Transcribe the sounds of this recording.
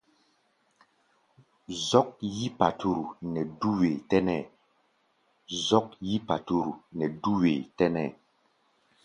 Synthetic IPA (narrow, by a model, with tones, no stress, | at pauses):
zɔ˦k̚ji˦pa˨tʰu˨ɾu˨nɛ˨du˦we˨tɛ˦nɛ˨ | zɔ˦k̚ji˦pa˨tu˨ɾu˨nɛ˨du˦we˨tɛ˦nɛ̰˦˨